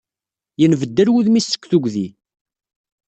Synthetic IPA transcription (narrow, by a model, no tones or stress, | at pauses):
jənvəd̪ːəɾwuðmisə̥kʷːθuɡʷði